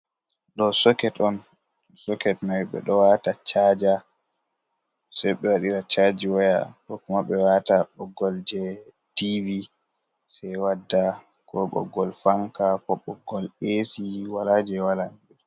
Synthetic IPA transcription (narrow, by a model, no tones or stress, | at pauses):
ɗɔsɔkɛtɔn | sɔkɛtnajɓɛ̰ɗɔwatat͡ʃaːd͡ʒa | sɛjɓɛwaɗiɾat͡ʃad͡ʒiwaja̰kɔkumaɓɛwataɓɔɡɔld͡ʒɛ | tivi | sajwadːa | kʰɔɓɔ̰ɡɔlfaŋkapɔɓɔɡːɔlesiwalad͡ʒɛwalanbi